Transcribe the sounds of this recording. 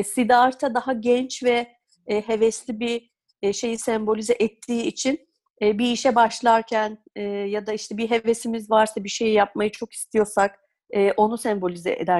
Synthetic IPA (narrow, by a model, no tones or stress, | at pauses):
sid̪aɾt̪ʰad̪aɦaɟɛnt͡ʃvɛ | ɦe̞vɛslʲibi | ʃe̞jisɛmbo̞lʲizɛʔɛt̪ʰːiːit͡ʃʰinː | biːʃɛbaʃlˠaɾcʰæn | ɛːjad̪aiʃt̪ʰɛbiɦe̞vesimizvaɾsabiʃe̞jijap̚majɯt͡ʃʰo̞ki̥st̪ʰijo̞ɾsak | ɛːʔo̞nusɛmbo̞lʲizɛ̰ḛd̪æɾ